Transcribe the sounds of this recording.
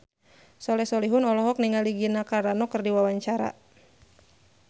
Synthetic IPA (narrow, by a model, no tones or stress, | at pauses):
sɔlɛsɔliɦʊnɔlɔɦɔk̚niŋaliɡinakaɾanɔkərdiwawaɲt͡ʃaɾa̰